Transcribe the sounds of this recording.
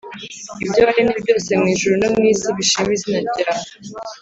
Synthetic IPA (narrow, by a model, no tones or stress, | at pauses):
ibɟoːɾinibɟo̞ːsemŋiːʒuɾunomŋiːsiβiʃimizinaɟiɾa